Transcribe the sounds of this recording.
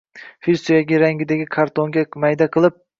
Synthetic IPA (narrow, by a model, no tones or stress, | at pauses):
filsojaɡʲɪɾaŋɡʲɪd̪aɡʲɪkʰaɾt̪ʰoŋɡʲamajd̪aqʰɨlˠɪp̚